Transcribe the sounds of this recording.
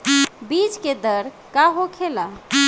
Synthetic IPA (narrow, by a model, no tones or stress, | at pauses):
bid͡ʒked̪əɾ | kaɦokʰela